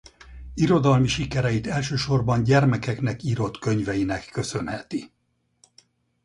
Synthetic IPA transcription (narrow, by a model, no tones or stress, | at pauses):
iɾo̞d̪ɒlmiʃikɛɾɛjit̪ɛlʃøːʃo̞rbɒnɟɛrmɛkɛkn̪ɛkiɾo̞t̪kø̞ɲvɛjinɛkːø̞sø̞nhɛt̪i